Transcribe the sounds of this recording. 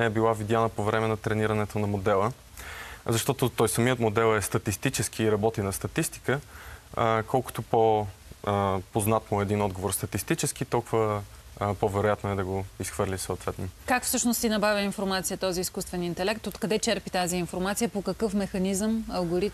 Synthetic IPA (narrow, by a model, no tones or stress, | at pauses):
ɛɛbilˠavid̪janəpovɾɛmɛnɐt̪ɾɛniɾɐnɛt̪onɐmod̪ɛlˠə | zɐʃt̪ɔt̪ot̪ɔjsɐmiət̪mod̪ɛlˠɛst̪ɐt̪ist̪it͡ʃɛsk̟iːɾɐbɔt̪inɐst̪ɐt̪ist̪i̥kə | kʰɔlˠkʊ̥t̪opo | poznat̪noɛd̪inɔd̪ɡovoɾst̪ɐt̪ist̪it͡ʃɛsk̟iːt̪ɔlˠkʊvə | povɛɾojat̪noɛd̪ɐɡoisxvɤɾlʲisəʊt̪vɛt̪nokakfsɤʃnost̪inɐbavʲəinfoɾmat̪sijət̪ɔziːskust̪vɛnint̪ɛlɛkt̪ot̪kɐd̪ɛt͡ʃɛɾpit̪aziːnfoɾmat̪sijəpokɐkɤfmɛxɐnizəmɐlˠɡoɾit̪